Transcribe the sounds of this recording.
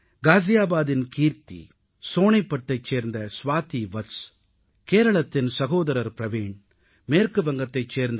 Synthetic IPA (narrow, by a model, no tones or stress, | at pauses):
ɡaːzɪjaːbaːðɪnkiːɾt̪ḭ | soːɳɐɪpːɐʈːɐɪt͡ʃːeːɾnd̪ɐsʋaːt̪iʋɐs | keːɾɐɭɐt̪ːɪnsɐɣoːðɐɾɐɾpɾɐʋiːɳ | meːɾkɯʋɐŋɡɐt̪ːɐɪt͡ʃːeːɾnd̪